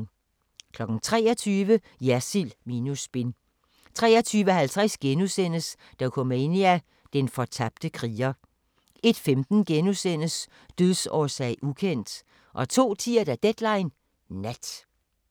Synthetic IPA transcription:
kʰlɒ̽ɡ̥n̩t͡sʰʁɛ̰ːɐt͡sʰyːʋə | jæsilmiːnusb̥e̝n | t͡sʰʁɛ̰ːɐt͡sʰyːʋəhælt͡sʰʁasɡ̥enusen̰əs | d̥ɑkʰɔme̝niæ | d̥enfɒ̽t͡sʰɑb̥̚d̥əkʰʁiːɐ | e̝d̥femd̥n̩ɡ̥enusen̰əs | d̥øðˠsɒːsɛ̰ɪ̰ʔukʰen̰d̥ | ʔɒ̽t͡sʰo̝̰ːt͡sʰiɐd̥æd̥ed̥lɑ̈ɪnː | æd̥

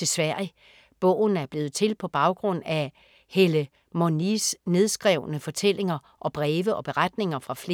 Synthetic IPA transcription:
e̝sʋæɐ̰i | b̥ɔ̰̽ːʊn̩æɐb̥le̝ːð̩ˠt͡sʰe̝lpʰɒ̽b̥ɑ̈ʊɡ̥ʁɔ̽n̰æ | helə | monisne̝ð̞ˠsɡ̥ʁɛʊ̰nəfɒ̽t͡sʰel̰e̝ŋɐ | ʔɒ̽b̥ʁɛːʋəʔɒ̽b̥e̝ʁad̥ne̝ŋɐfʁɑ̈fle̝

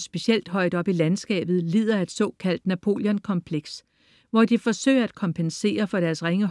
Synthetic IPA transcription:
sb̥e̝ɕel̰d̥ɦɒ̽ɪ̰d̥ɒ̽b̥ilænsɡ̥ɛ̰ːb̥ð̞̩ˠliːð̞ˠɐe̝d̥sɒ̰̽ːkʰæl̰d̥næpʰo̝̰ːljɒnkʰɒ̽mpʰleɡ̥s | ʋɒd̥ifɒ̽sø̰ɪ̰ɐæd̥̚kʰɒ̽mpʰense̝̰ːɐfɒ̽ɾ̥æɐsʁeŋə

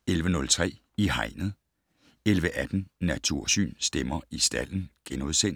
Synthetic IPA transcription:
elʋənɔ̽lt͡sʰʁɛ̰ː | ihɑ̈ɪnð̞̩ˠ | elʋəʔæd̥n̩næt͡sʰuɐ̰sy̰ːnsd̥emɐisd̥æl̰n̩ɡ̥enoðˠsen̰

